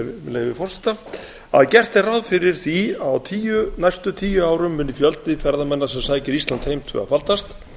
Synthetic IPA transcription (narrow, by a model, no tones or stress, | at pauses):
lɛɣvɪfɔr̥sɛ̥t̪a | a̰ðcɛr̥t̪ɛrawðfɪɾɪɾ̥θiawt̪ʰiːjʏnajst̪ʏt̪ʰiːjʏaːwɾʏmːʏːnːɪfjœlt̪ɪfɛɾðamɛnːasɛmsaːjcɪɾist̪ant̪hejmt̪ʰʏ̰ɣa̰falt̪ast̪